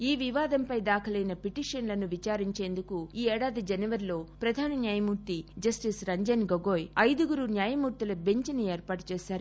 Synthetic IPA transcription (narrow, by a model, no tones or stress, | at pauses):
iːʋiʋaːd̪ɐmpɐjd̪aːkʰɐlɐjnɐpiʈiːʂɐnlɐnuʋit͡ʃaːɾiɲt͡ʃe̞ːnd̪ukuiːɛːɽaːd̪id͡ʒɐnɐʋɐɾilo̞ːpɾɐd̪ʱaːnɐnjaːjɐmuːɾt̪id͡ʒɐsʈisɾɐɲd͡ʒɐnɡoɡoːjɐjd̪uɡuɾunjaːjɐmuːɾt̪ilɐbe̞ɲt͡ʃɐnieːɾpaːʈu̥t͡ʃɛːʃaːɾu